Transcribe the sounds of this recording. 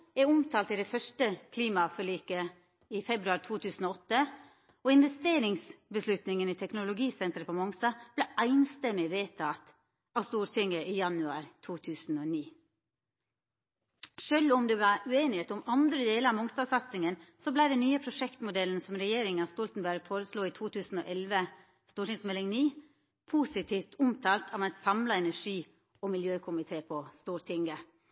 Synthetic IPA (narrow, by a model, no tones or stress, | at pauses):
ɛʊmt̪ʰɑːlt̪ɪd̪ɛfœʂʈəkʰliːmɑfœɭiːkə | ifɛbɾʉɑɾt̪ʰuːt̪ʰʉːsn̩ɔːɔt̪ːə | ɔɪnʋɛst̪eːɾɪŋsbəslʉt̪nɪŋəniːt̪ʰɛknʊlʊɡiːsɛnt̪əɾpʰɔmɔŋst̪ɑb̥læʔæɪnst̪ɛmːɪʋeːt̪ʰɑt̪ | ɑːʋst̪uːɾt̪ʰʏŋəʔiːjɑnʉɑ̰ːɾt̪ʰuːt̪ʰʉːsn̩ɔniː | ʃøːlʊmd̪ɛʋɑɾʉeːnɪheːt̪ʊmɑnd̪ɾəd̪eːləɾɑʋmɔŋst̪ɑːʋsɑt̪sɪŋənsɔblæɪd̪ɛnyːəpʰɾʊʂɛkt̪mʊd̪ɛln̩sɔmɾɛjeːɾɪŋɑst̪ɔlt̪n̩bæɾɡfoːɾəsluːit̪ʰuːt̪ʰʉːsn̩ɔ̰ːʔɛlʋə | st̪uːʈɪŋsmɛlɪŋniː | pʰuːsɪt̪ʰiːft̪ʰʊmt̪ʰɑːlt̪ʰɑːʋæɪsɑmlɑɛnæʂiː | ɔmɪljøːkʰʊmɪt̪ʰeːpʰɔst̪uːɾʈ̪ʰʏŋɡə